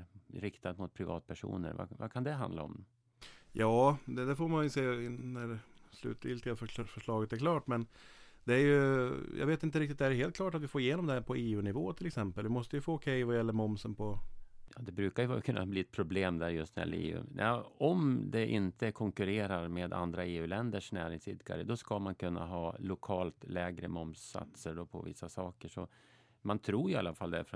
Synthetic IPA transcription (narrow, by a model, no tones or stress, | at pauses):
ɾɪkt̪ad̪mʊt̪̚pʰɾɪvɑ̰ːt̪̚pʰæʂṵːnə̰ɾva̰va̰kʰand̪ɛɦa̰nd̪laɔ̰m | jɑːd̪ɛd̪æɾfoːɾmanjseːnæɾslʉ̰ːt̪vɪlt̪ɪɡafœʂɭɑːɡət̪æɾkʰlɑːʈmɛnd̪ɛæɾjɵjɑ̰ːɡveːt̪ɪnt̪̬əɾɪk̚t̪ɪt̪d̪ɛæɾɖɛɦeːlt̪̚klɑːʈat̪vɪfoːɾɪjeːnɔmd̪ɛhæɾpʰɔeːʉːnɪvoːt̪ʰɪlɛksɛmpəlvɪmɔst̪əjɵfoːkʰɛjvajɛlːəɾmɔmsənpʰɔjɑːd̪ɛbɾʉ̟ːkaɾjɵvkʰɵnːa̰bliːɛt̪̚pʰɾʊbleːmd̪æɾjɵst̪njɛ̰l̰ːḛːʉ̰ːnaɔmd̪ɛʔɪnt̪ʰəkʰɔŋkɵɾeːɾaɾmeːd̪a̰nd̪ɾaeːʉ̟lɛnd̪əʂnæ̰ːɾɪŋsɪd̪ɡa̰ɾəd̪ɔskamankʰɵnːa̰ɦɑːlʊkʰɑːlt̪lɛːɡɾəmɔmsa̰t̪səɖɔpʰɔvɪ̰sːasɑːkəʂɔ | mant̪ʰɾuːɾjɪa̰lːafald̪ɛæfɾɔ